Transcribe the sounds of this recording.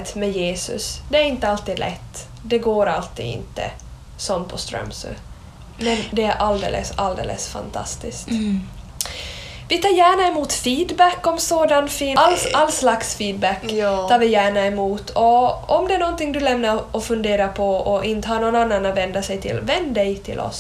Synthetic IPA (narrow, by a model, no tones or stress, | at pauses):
t̪mɛjeːsɵ̰sd̪ɛæɾɪnt̪əalt̪iːd̪lʔɛ̰t̪ːd̪ɛɡoːɾalt̪ḭːd̪ɪ̰nt̪ːə̰ | sɔnt̪̚pʰɔst̪ɾœ̰msʉ̰ | mɛnd̪ɛæɾʔald̪ḛːlə̰sald̪ḛːlə̰sfa̰nt̪ʰa̰st̪ɪskt̪ | vɪt̪ʰɑːɾjæːɳaɛmuːt̪fiːd̪bækːɔmsoːd̪anfiːalalːslaksfiːd̪̚bækːt̪ʰɑːɾvɪjæːɳaɛmuːt̪ʰɔɔmd̪ɛæɳɔnt̪ɪŋd̪ɵlɛmnaɾɔfɵnd̪eːɾapʰɔɔʔɪnt̪əhɑːnɔnanːanːavɛnd̪asɛjt̪ʰɪ̰lvɛnd̪d̪ɛjt̪ʰɪ̰lʔɔ̰s